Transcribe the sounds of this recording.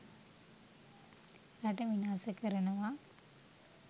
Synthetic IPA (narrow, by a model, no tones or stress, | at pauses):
ɾaʈəʋinaːsəkəɾənəʋa